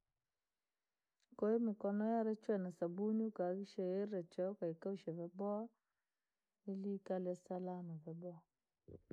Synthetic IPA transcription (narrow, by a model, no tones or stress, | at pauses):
koimukɔnɔjaɾɛt͡ʃwɛnasabuɲukaɡiʃejeɾɛt͡ʃɛkaikaʃɛvɛbɔ | ilikalɛsalamavɛbɔ